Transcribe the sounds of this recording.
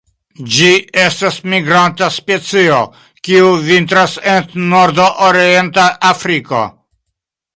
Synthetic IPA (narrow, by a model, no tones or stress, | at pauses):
d͡ʒie̞stasmiɡɾantaspe̞t͡sio | kiuvint̪ɾasennoɾd̪oʔoɾie̞nt̪aʔafɾiko̞̰